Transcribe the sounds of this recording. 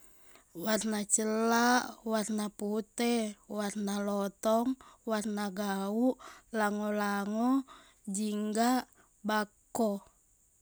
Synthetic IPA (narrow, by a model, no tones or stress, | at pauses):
warnat͡ʃəlaʔwarnaput̪ɛwarnalɔt̪ɔŋwarnaɡauʔlaŋɔlaŋɔ | d͡ʒiŋɡaʔ | bakɔ